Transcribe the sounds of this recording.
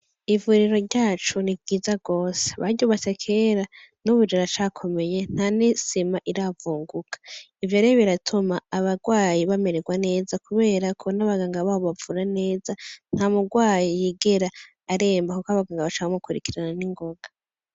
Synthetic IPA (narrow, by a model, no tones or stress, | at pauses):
ivuɾiɾo̞ɟaːt͡ʃunibɡiːzaɡo̞ːse̥βaɟuβatekʰe̞ːɾa | nuβud͡ʒiɾat͡ʃakʰo̞me̞je̞n̥hanisimaʔiɾavuːŋɡukʰḁ | ivjoɾeβiɾatʰumaːβaɡwaːjiβame̞ɾeɡwane̞ːzakuβe̞ːɾakʰonaβaɡaːŋɡaβaβoβavuɾane̞ːzan̥hamuɡwaːjijiɡeɾaː | ɾe̞ːmbakukoaβaɡaːŋɡaβat͡ʃaβamukuɾikiɾananiŋɡo̞ɡa